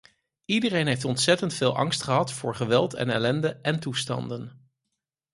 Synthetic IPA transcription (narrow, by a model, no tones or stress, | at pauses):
idərejnɦejftɔntsɛtəntfɪːlˠʔɑ̰ŋstχəɦɑtfʊ̰ːɹχəʋɛlˠtɛ̰nɛlɛndəʔɛntustɑ̰ndən